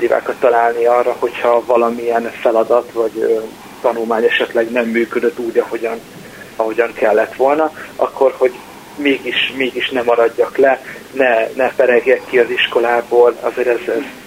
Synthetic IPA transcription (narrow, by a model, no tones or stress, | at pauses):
d̪iva̰ːkɒt̪ːɒlaːlniɒrːɒho̞chɒvɒlɒmiɛnfɛlɒd̪ɒt̪vɒɟø | t̪ɒnulmaːɲɛʃɛt̪lɛɡnɛmːyːkød̪øt̪ːuːɟɒho̞ɟɒn | ɒɦo̞ɟɒŋkɛlːɛt̪ʋo̞lnɒɒ̰kʰːo̞rho̞ɟ | meːɡiʃmeːɡiʃnɛmɒɾɒɟːɒklɛnɛnɛpɛɾɛɡjɛkːiɒziʃko̞laːboːlɒ̰zeːɾɛzɛz